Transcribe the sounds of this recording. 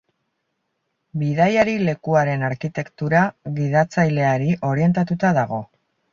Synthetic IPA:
bið̞ajaɾile̞kuaɾe̞naɾkit̪e̞kt̪uɾaɣiðat͡sajle̞aɾiʔo̞ɾie̞nt̪at̪ut̪aðaɣ̞o̞

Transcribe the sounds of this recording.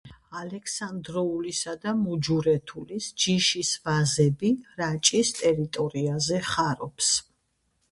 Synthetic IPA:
alɛkʰsand̪ɾɔulisad̪amud͡ʒuɾɛt̪ʰulisd͡ʒiʃisvazɛbiɾat͡ʃʼist̪ʼɛɾit̪ʼɔɾiazɛχaɾɔps

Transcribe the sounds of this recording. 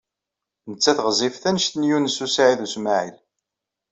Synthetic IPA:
nət͡sːæθʁzˤifθænəʃt̪njunəsusaʕiðusmaʕḭl

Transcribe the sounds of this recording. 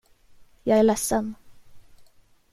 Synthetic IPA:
jɑːɡæɭɛsːən

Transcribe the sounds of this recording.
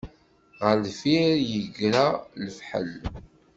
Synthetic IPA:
ʁəɾlfiɾjəɡɾaləfħə̰l

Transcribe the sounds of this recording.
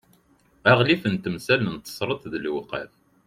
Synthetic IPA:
æʁlifənt̪əmsælənt̪ːə̥sˤɾˤət̪ðəlwqə̰ɾ

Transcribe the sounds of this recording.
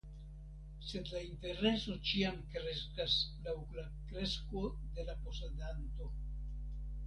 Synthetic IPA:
sed̪laint̪e̞ɾeso̞t͡ʃiamkɾeskaslawla | kɾeskod̪e̞laposad̪ant̪o

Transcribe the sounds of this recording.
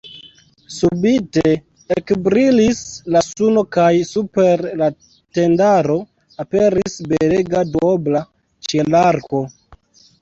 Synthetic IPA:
subite | ekbɾilislasuno̞kajsupe̞ɾla | te̞ndaɾo̞ | ape̞ɾisbeleɡadobla | t͡ʃe̞laɾko̞

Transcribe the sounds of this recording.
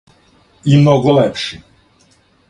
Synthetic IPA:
imnɔɡɔlɛpʃi

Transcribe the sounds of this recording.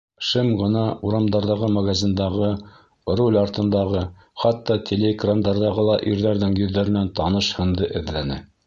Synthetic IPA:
ʃɘmʁɤ̆nɑuɾɑmd̪ɑɾðɑʁɤmaɡazʲind̪ɑʁɤ | rolʲɑɾt̪ɤ̆nd̪ɑʁɤ | χɑt̪ːɑt̪ʲʰelʲeɡrand̪ɑɾðɑʁɤlˠɑʔiɾðæɾðɘŋjɵ̆ðːæɾɘ̆nænt̪ɑnɤʃhɤ̆nd̪ɤʔɘ̆ðlænɘ

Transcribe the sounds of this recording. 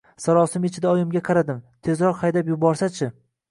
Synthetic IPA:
saɾɒsɪmɪt͡ʃʰɪd̪aɒjɪmɡʲaqʰɑɾad̪ɪmt̪ʰe̞zɾɒɾhajd̪apjʊbɒɾsat͡ʃʰɪ

